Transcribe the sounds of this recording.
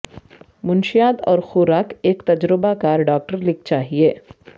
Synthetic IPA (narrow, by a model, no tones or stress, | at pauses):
mʊnʃijaːd̪ɔ̰ːɾxʊɾaːkeːkt̪ɐd͡ʒɾɪbakaːɾɖaːk̚ʈəɾlɪk̚t͡ʃaːɦieː